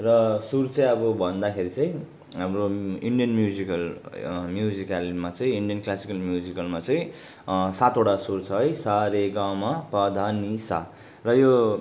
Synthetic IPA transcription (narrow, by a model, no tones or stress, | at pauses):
rʌsurt͡sʌj̃ʌbʌbʱʌnd̪akʰeɾit͡sʌĩ | ɦamroiɳɖijʌnmjud͡zikʌlmjud͡zikalmat͡sʌĩiɳɖijʌnklasikʌlmjud͡zikʌlmat͡sʌĩ | sat̪oʈasuɾt͡sʰʌɦʌjsaɾeɡawmapʌd̪ʱanisa̰ | rʌjo